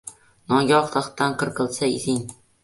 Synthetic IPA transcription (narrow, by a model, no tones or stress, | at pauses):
nɒɡʲɒχt̪ʰaχt̪ːanqʰɨɾqɨlˠsaḭzɪŋ